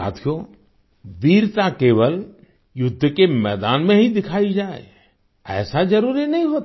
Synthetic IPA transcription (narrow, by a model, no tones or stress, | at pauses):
a̰ːt̪ʰijo | ʋ̪iːɾt̪akeːʋəl | jʊd̪ʱːəkemɛːd̪aːnmẽɦid̪ɪkʰaːid͡ʒaːḛ | ɛ̰ːsad͡ʒəɾuːɾinɐɦĩɦoːt̪